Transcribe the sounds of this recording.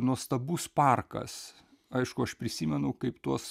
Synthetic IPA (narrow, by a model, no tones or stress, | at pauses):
nuɔst̪ɐbuːspɐrkɐ̰s | ɐɪʃkʊɐʃpʲɾʲɪsʲiːmʲɛnʊkɐɪpt̪uɔs